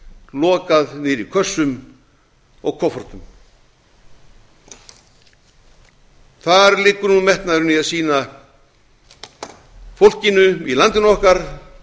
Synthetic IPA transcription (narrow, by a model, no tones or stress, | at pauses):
lɔːkaðnɪɾikʰœsːʏm | ɔ̰ɣkʰɔfɔɾ̥t̪ʏm | θaɾlɪːkːʏɾnunmɛht̪naðɾʏniaðsiːna | fowl̥cɪnʏilant̪ɪnɔhkaɾ̥